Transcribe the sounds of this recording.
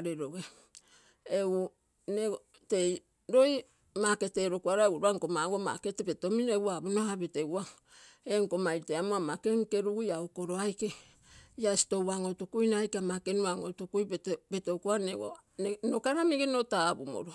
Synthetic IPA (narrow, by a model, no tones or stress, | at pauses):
ɾeɾoɡe | eu | ne | te̞j | ɾo̞j | make̞teːɾokuaɾaewuɾuaŋkomaɡoma̰ketepeto̞mineɡuabunoaβeteɡua | eŋkomajɾteamoamake̞ŋke̞ɾuɡujaoko̞ɾo̞ajke | iasi̥to̞waŋotukujnaːjkeamake̞nuaŋotukujpeto̞kuaneɡo̰nokaɾamiɡenotabumo̰ɾo